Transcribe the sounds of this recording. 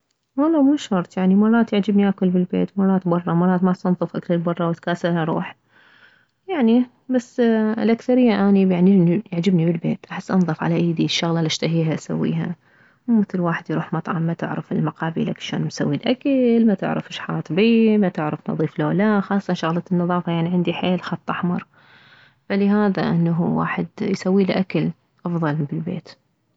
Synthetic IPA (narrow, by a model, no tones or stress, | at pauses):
ʔoloːmuːʃʊɾˤt̪ˤjaʕnimɑrˤːɑːt̪jaʕd͡ʒɪbniʔakʊlbɪlbḛːt̪mɑrˤːɑːt̪bɑrˤːɑmɑrˤɑːt̪masɑnðˤɨfʔakθɑɾˤbɑrˤːɑwɪt̪kaːsalaɾˤṵːħ | jaʕni | basːɪlʔakθaɾɪjːaʔaːniaʕnijaʕd͡ʒɪbnibɪlbḛːt̪ʔaħɪsːʔɑnðˤɨfʕa̰laʔiːd̪iʃːʊɣlalaʃt̪aɦiːɦaʔsa̰wːḭːɦa | wmɪθɪlwaːħɪd̪jɾuːħmɑt̪ˤʕɑ̰mːat̪ɪʕɾɪfɪlmaqɑːbḭlakʃo̰ːnmsawːilʔakalmat̪ɪ̰ʕɾa̰fɪʃħɑ̰ːt̪ˤbimat̪ɪʕɾafnɑ̰ðˤiːfloːlaxɑːsˤɑt̪ɑnʃʊɣlɑnːɨðˤɑːfɑjaʕniʕɪnd̪iħeːlxɑt̪ˤʔɑħmɑɾˤ | falɪɦaːða̰ʔɪnːaɦuwa̰ːħɪd̪jsawːiːlʔakal | ʔɑfðˤɑlbɪlbḛːt̪